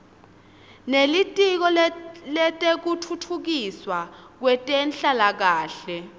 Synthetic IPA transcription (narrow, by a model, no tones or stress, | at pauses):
nelitʼik̬ɔlɛtʼek̬utʰutʰuk̬iswak̬wɛtʼɛnɬalak̬aːɬɛ